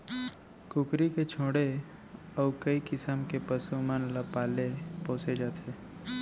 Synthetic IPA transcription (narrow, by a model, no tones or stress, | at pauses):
kʊkɾiket͡ʃʰoːɽe | ɔːkəikɪsəmkepəsumanlapaːlepõːsed͡ʒaːt̪ʰeː